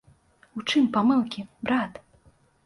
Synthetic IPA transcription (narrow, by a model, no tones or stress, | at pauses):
ut͡ʂɨmpamɨlˠkʲibɾat̪